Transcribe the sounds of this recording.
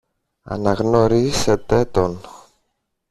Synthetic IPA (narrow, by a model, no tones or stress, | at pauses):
ɐ̰nɐɣno̞ɾise̞t̪e̞t̪o̞n